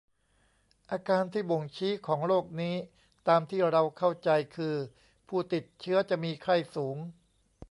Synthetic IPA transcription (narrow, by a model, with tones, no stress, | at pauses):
ʔaː˧kaː˧nt̪ʰiː˥˩bo˨˩ŋt͡ɕʰiː˦˥kʰɔː˩˦ŋɾoː˥˩k̚niː˦˥ | t̪aː˧mt̪ʰiː˥˩ɾa˧wkʰa˥˩wt͡ɕa˧jkʰɯː˧ | pʰuː˥˩t̪i˨˩t̪̚t͡ɕʰɯ˦˥ɐt͡ɕa˨˩ʔmiː˧kʰɾa˥˩jsuː˩˦ŋ